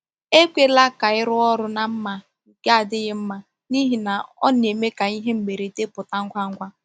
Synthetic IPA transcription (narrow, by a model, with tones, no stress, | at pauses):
e˦kʷe˦la˦ka˨ɪ˦ɾʊ˦ɔ˦ɾʊ˦na˨m̩˦ma˦˨ | ɡa˦a˨dɪ˦ɣɪ˦m̩˦ma˦ | ni˦ɦi˨na˨ɔ̰˦n˨e˨me˦ka˨i˦ɦe˦m̩˨ɡ͡be˨ɾe˨te˦pʊ˨ta˦ŋ̩˦kʷa˦ŋ̩˦kʷa˦